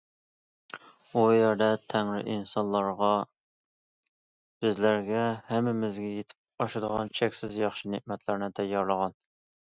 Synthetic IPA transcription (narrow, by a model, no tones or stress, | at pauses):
ujæɾd̪ɛt̪ʰɛŋɾɪ̰ʔinsɑnlˠɑɾʁɑ | b̥ɪzlæɾɡʲɛhɛmɪmɪzɡʲɛjet̪ʰɪ̥p̚ɑʃɨd̪əʁɑnt͡ʃʰɛkʲsɪzjɑχʃineʔmɛt̪ʰlæɾnɪt̪ʰɛjːɑɾlˠəʁɑn